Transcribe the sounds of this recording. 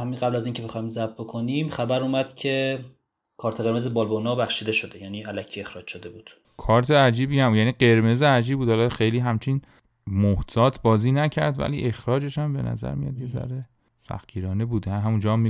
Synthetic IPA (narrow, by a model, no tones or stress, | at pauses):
hæmiɡæblæziːncʰebexɒjmzæb̚bokʰoniːmxæbæɾuːmæd̪̥cʰe̞ | kʰɒːɾt̪ʰeɣe̞ɾmezebɒːlbonɒːbæxʃiːd̪eʃod̪ejæniːælæcʰie̞xɾɒːd͡ʒʃod̪e̞buːd̪̥ | kʰɒːɾt̪ʰeæd͡ʒiːbiæmjæːniːɢe̞ɾme̞zeæd͡ʒiːbuːd̪hɒlɒxejliːɦæmt͡ʃʰin | moht̪ʰɒːt̪ʰbɒːziːnæcʰæ̰ɾd̪væ̰lḭːʔe̞xɾɒːd͡ʒe̞ʃæmbe̞̰næ̰zæ̰ɾmḭjɒ̰d̪jezæ̰ɾe | sæ̰xciːɾɒːne̞buːd̪ehæɦæmund͡ʒɒːmːi